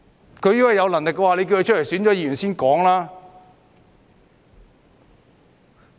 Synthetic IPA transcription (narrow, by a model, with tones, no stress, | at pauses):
kʰɵ˨˧ɥji˥wɐ˨jɐ˨˧wlɐ˨˩ŋlɪ˨kːwaː˨le˨˧j̬ki˧whe˧t͡ʃʰljsyː˨˥nt͡ʃɔ˨˥jiː˨˧jy˨˩nsiː˥nkɔː˨˥ŋlaː˥